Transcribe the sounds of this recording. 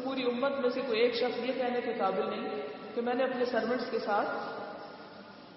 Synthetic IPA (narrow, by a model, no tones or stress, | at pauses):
puːɾiʊmːət̪mẽsekoieːkʃɐxsjekɛɦnekekaːbɪlnɐɦĩkemɛ̃ːneɐpnesɐɾʋə̃ɳʈskesaːt̪ʰ